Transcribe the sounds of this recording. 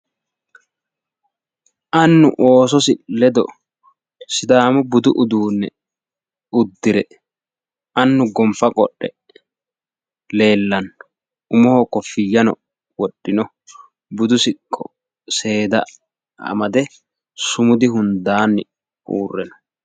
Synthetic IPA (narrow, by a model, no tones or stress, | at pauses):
ʔɐnːʊʔoːs̬ɔsɪlɛd̪ɔ | sɪd̪aːmɔbʊd̪ʊʔʊd̪uːnːɛ | ʊd̪ːɪɾɛ | ʔɐnːʊɡɔmfɐkʼɔ̰ɗːɛ | le̞ːlːɐnː | ʔʊmɔhokːɔfɪjːɐnɔ̰ | wɔɗːɪnɔ | bʊd̪ʊsɪkʼːɔ | se̞ːd̪ɐ̰ | ɐ̰mɐd̪ɛ | sʊmʊd̪ɪɦʊnd̪aːnːɪ | ṵːrːɛnɐ